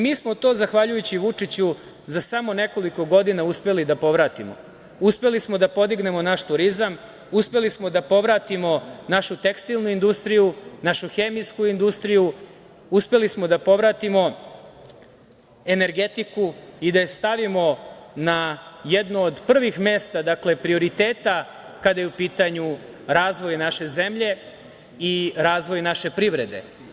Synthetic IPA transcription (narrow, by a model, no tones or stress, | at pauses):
miːsmo̞t̪o̞ːzaxʋaʎujut͡ɕiʋut͡ʂit͡ɕu | zasamo̞ne̞ko̞liko̞ɡo̞d̪inauspe̞lid̪apo̞ʋɾat̪imo̰ | uspe̞lismo̞d̪apo̞d̪iɡne̞mo̞naʃt̪uɾizam | uspe̞lismo̞d̪apo̞ʋɾat̪imo̞naʃut̪e̞kst̪ilˠnuind̪ust̪ɾijunaʃuxe̞ːmiskuind̪ust̪ɾiju | uspe̞lismo̞d̪apo̞ʋɾat̪imo̞ | e̞neɾɡe̞t̪ikuid̪aest̪aʋimo̞najed̪noːd̪pr̩ʋixme̞st̪ad̪akle̞pɾio̞ɾit̪e̞ːt̪a | kad̪ajeupiːt̪aɲu | ɾaːzʋo̞jnaʃe̞ze̞mʎe̞ | iɾaːzʋo̞jnaʃe̞pɾiʋɾe̞d̪e̞̰